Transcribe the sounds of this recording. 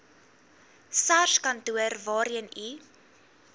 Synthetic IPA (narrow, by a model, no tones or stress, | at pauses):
sarskɐntuərvɑːɾiəni